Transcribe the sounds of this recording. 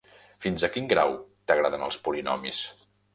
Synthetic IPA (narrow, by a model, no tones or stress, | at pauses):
finzəkiŋɡɾawt̪əɣɾaðənə̰lˠspuɾinɔ̰mḭs